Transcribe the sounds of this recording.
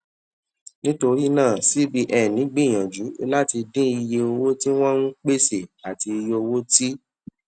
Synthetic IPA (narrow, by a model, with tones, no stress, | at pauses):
nĩ˦to˧ɾi˦nãː˦˨si˦bi˦ʔɛ˦˨nĩ˨˦ɡ͡bĩ˦˨j̃ɔ̃˨d͡ʒu˨˦i˧la˦ti˧dĩ˦i˧je˧o˧wo˦ti˦w̃ɔ̃˦nũ˦k͡pe˦se˦˨a˨ti˧i˧je˧o˧wo˦ti˦